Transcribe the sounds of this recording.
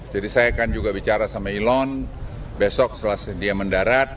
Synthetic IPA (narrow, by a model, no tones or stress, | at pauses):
d͡ʒadisajakand͡ʒuɡabit͡ʃaɾasamailɔn | besɔk̚səlasdiaməndaɾat̪̚